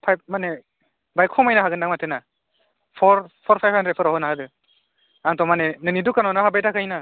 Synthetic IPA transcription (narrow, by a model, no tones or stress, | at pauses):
pʰajb̚mane | bajkʰɔmajnaɦaɡɯndaŋmatʰena | pʰɔɾpʰɔɾpʰajpʰantɾepʰɯɾawɦɔnaɦadɯ | aŋtʰɔmanenɯnidukːanɔnaɦabajtakʰajna